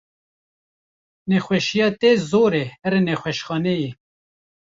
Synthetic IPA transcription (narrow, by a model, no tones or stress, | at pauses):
nɛxʷwɛʃijɑːt̪eːzoːɾeɛɾenɛxʷɛʃxɑːneji